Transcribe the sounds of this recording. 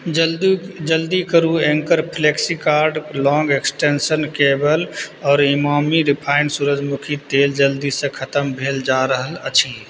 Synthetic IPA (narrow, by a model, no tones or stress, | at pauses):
d͡ʒəld̪ikəɾuẽŋkəɾpʰleksikaːɾɖlɔ̃ːŋɡeksʈensənkeːbəlɔːɾɪmaːmiɾɪpʰaːɪnɖsuɾəd͡ʒmukʰit̪eːld͡ʒəld̪isẽkʰət̪əmbʱeːld͡ʒaːɾəɦələ̰t͡ʃʰi